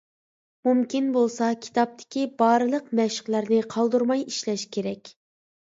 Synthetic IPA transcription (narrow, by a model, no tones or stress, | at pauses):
mumkʲinbolˠsɑkʲʰi̥t̪ɑp̚t̪ʰɪ̥kʲibɑːɾɨlˠəqmɛʃɪ̥qlˠæɾnɪqʰɑlˠd̪uɾmɑjiʃlɛʃkʲʰeɾɛkʲ